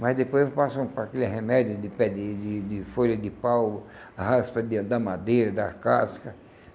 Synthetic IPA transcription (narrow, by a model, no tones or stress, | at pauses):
mɐzd̪epojzpasɐ̃w̃pɾakelɪɦemɛd̪jʊd̪ɪpɛd̪ɪd̪ɪd̪ɪfoʎɐd̪ɪpaw | haspɐd̪ɪd̪ɐmad̪ejɾɐd̪ɐkaskɐ